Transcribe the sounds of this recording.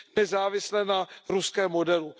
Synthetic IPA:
nɛzaːvɪslɛnaɾuskɛːmːodɛlu

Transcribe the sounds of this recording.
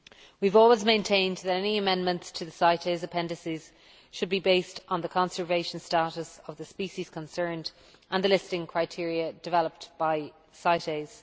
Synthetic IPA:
wivɔːlˠwɪzmẽɪ̃ntʰẽɪ̃nðəɾɛniəmɛ̃nmə̃ntstʰəðəsaɪɾeɪzəpʰɛ̃ndəsiz̥ | ʃəd̚bibeɪstn̩ðəkʰɑ̃nsə˞veɪʃə̃n̩staɾəsəvðəspiʃiz̥kʰə̃nsɜ̃˞nd | ʔə̃nðəlɪstɪ̃ŋkʰɹ̥aɪtʰɪəɹiəd̥ɪvɛləp̚tb̥aɪ | saɪɾeɪz̥

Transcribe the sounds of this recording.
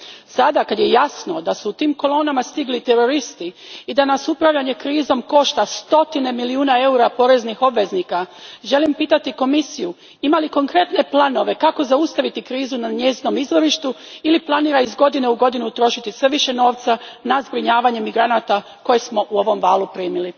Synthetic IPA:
sad̪akad̪je̞jasno̞d̪asuut̪iːmko̞lˠo̞ːnamast̪iɡlit̪e̞ɾo̞ɾist̪iːd̪anasupɾaʋʎaɲe̞kɾiːzo̞mko̞ʃt̪ast̪o̞t̪ine̞miliuːnae̞uɾapo̞ɾe̞znixo̞bʋe̞znikaʒe̞limpiːt̪at̪iko̞misiju | imaliko̞ŋkɾe̞t̪ne̞plˠano̞ʋe̞kako̞zaust̪aʋit̪ikɾiːzunaɲe̞zino̞mizʋo̞ɾiʃt̪uiliplˠaniːɾaizɡo̞d̪ineuɡo̞d̪inut̪ɾo̞ʃit̪isʋe̞ʋiʃe̞no̞ːʋt̪sanazbɾiɲaːʋaɲe̞miɡɾanat̪a | ko̞jesmo̞ʔuo̞ʋo̞mʋaːlupɾiːmili

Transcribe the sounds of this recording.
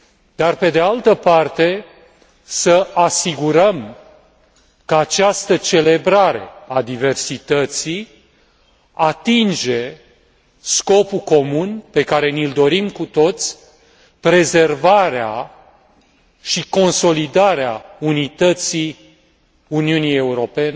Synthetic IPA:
d̪arpe̞d̪ealt̪əpart̪e̞ | səasiɡuɾəm | kəat͡ʃast̪ət͡ʃe̞le̞bɾaɾe̞ad̪ive̞rsit̪ət̪sij | at̪ind͡ʒe̞ | sko̞puko̞munpe̞kaɾe̞nild̪o̞ɾimkut̪o̞t̪sʲ | pɾe̞ze̞rvaɾea | ʃiko̞nso̞lid̪aɾeaunit̪ət̪si | uniunije̞uɾo̞pe̞ne

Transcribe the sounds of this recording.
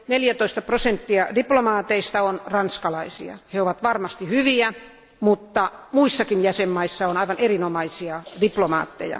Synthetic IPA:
neljæt̪oist̪ɑprosent̪ːiɑdiplomɑːt̪eist̪ɑonrɑnskɑlɑisiɑ̰heoʋɑt̪ʋɑrmɑst̪ihyʋiæ | mut̪ːɑmuisːɑkinjæsemːɑisːɑonɑiʋɑnerinomɑisiɑdiplomɑ̰ːt̪ːḛjɑ̰

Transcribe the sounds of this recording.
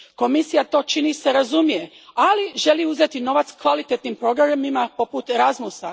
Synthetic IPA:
ko̞misijat̪o̞ːt͡ʃinise̞ɾazumije̞ | aliʒe̞liːuzet̪ino̞ʋat̪skʋalit̪et̪nimpɾo̞ɡɾaamimapo̞put̪eɾazmusa

